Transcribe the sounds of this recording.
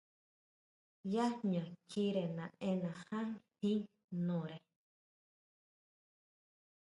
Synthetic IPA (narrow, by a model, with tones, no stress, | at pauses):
ja˦ɲã˨kʰi˦ɾe˨nã˨ẽ˦nã˨hã˦ŋhĩ˦ŋ | nõ˨ɾe˨